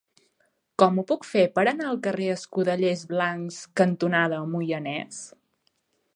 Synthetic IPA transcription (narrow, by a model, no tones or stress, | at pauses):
kɔmupukfepəɾənaəlˠkəreəskuðəʎezβlaŋkskənt̪unað̞əmujənɛs